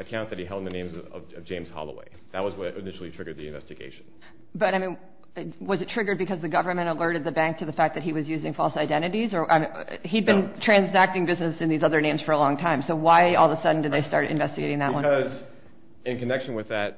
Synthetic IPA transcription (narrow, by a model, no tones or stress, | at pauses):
ɨkʰãʊ̃nðɨt̚iɛlˠd̃n̩ðɨnẽɪ̃mzʌ̰vʌvd͡ʒẽɪ̃mz̥hɑ̰lˠə̰wḛɪðɨt̚wʌzwʌɾɨnɪʃl̩ˠitʰɹ̥ɪɡə˞d̪̚ðiɨ̰̃ɱvɛ̰stɨɡḛɪʃn̩ | b̥ʌɾaɪmĩn | wʌzɨtʰɹ̥ɪɡə˞d̚bɨkʌzðɨɡʌvə˞mɨ̃ɾ̃əlɜ˞ɾɨd̪̚ðɨbæ̃ŋk̚tʰɨðɨfæk̚ðɨt̚hiwʌzjʉzɪ̃ŋfɔlˠsaɪdɛ̃ɾ̃ɨɾizə˞ʔa̰ɪid̚bɨ̃ntʰɹ̥æ̃nzæk̚tɪ̃ŋbɪznɨsɨ̃nðizʌðə˞nẽɪ̃mz̥fə˞əlɔ̃ŋtʰãɪ̃msoʊwaɪɔlˠðəsʌdⁿn̩dɨd̪ðeɪstɑ̰ɹɾɨ̰̃ɱvɛstɨɡeɪɾɪ̃ŋðə̰ʔwʌ̃ʌz | ɨ̃nkɨnɛkʃnwɨðɨt̚